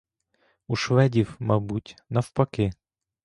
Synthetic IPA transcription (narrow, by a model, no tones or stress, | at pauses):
uʃʋɛdʲiwmɐbutʲnɐwpɐkɪ